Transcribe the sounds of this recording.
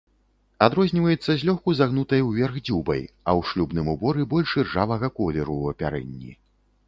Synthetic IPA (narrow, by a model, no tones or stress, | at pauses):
ad̪ɾɔzʲnʲivɐjɛt̪sːɐzʲlʲɔxkuzaɣnut̪ɐjwvʲɛrɣd͡zʲubɐ̰j | ɐwʂlʲubnɨmubɔɾɨbɔlʲʂʲɛrʐavɐɣɐkɔlʲɛɾuɐpʲaɾɛ̰nʲːḭ